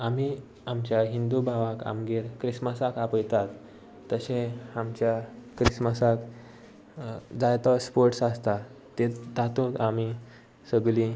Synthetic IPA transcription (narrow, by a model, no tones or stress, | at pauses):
ami | amt͡ɕjaɦind̪ubʱaʋaka̰mɡeɾkɾisməsakapəjt̪at̪ː | əɕẽamt͡ɕjakɾisməsak | d͡zajt̪ɔspoɾʈsast̪a | t̪et̪at̪ot̪ami | səɡli